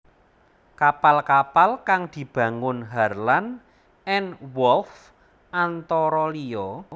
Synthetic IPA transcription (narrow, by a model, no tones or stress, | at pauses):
kapalkapalkaŋd̪̥i̤b̥ä̤ŋʊnɦarlan | ɛnwɔlf | ant̪ɔɾɔliɔ